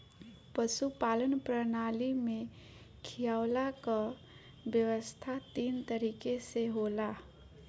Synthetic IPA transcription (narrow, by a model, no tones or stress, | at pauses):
pəʃupaːlənpɾənaːlimẽ | kʰijaːʊlaka | bjəʋəst̪ʰat̪iːnt̪əɾiːkeseɦoːla